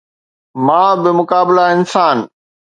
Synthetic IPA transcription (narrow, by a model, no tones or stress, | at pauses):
mãːbɪmʊkaːbɪlaɪnsaːn